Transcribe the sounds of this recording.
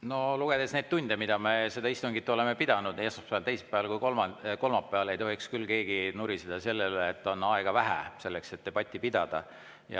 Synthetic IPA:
no̞luɡ̥e̞d̪e̞sne̞ːd̪̥t̪unʲd̪̥emid̪̥ɑme̞se̞d̪̥ɑist̪uŋɡ̥it̪ːˑuole̞mepid̪̥ɑnud̪eːsmɑspæɑlt̪e̞jse̥pːˑæɑlkujkolmɑko̞lmɑpːˑeɑle̞jt̪o̞ɦikskylːke̞ːɡinuɾised̪̥ɑse̞lːelːt̪ːˑo̞nɑeɡ̥ɑvæɦæ̰se̞lːekse̞t̪ːepɑt̪ʲːˑipid̪̥ɑd̪̥ɑ̰ | jɑ̰

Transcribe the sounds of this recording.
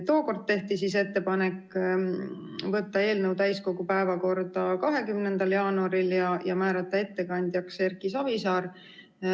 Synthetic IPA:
t̪o̞ːko̞rd̪̚t̪e̞ht̪isise̞t̪ːe̞pɑne̞kː | vɤt̪ːɑe̞ːlnəwt̪æjsko̞ɡ̥upæevɑko̞rd̪̥ɑkɑɦe̞kymnend̪̥ɑljɑːnuɑɾiljɑjɑmæːɾɑt̪ːˑɑe̞t̪ːe̞kɑnʲd̪̥ʲjɑkse̞rkisɑvisɑːɾ

